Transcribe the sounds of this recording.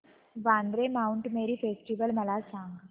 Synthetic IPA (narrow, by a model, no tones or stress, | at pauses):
ʋãnd̪ɾemauɳʈmeɾiːfesʈiʋəlməlasãŋɡ